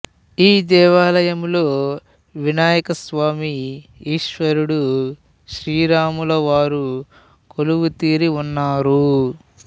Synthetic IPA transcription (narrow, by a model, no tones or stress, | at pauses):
iːd̪ɛːʋaːlɐjɐmloː | ʋinaːjɐkɐsʋaːmiiːʃʋɐɾuɽu | ʃɾiːɾaːmulɐʋaːɾu | koluʋut̪iːɾiunːaːɾu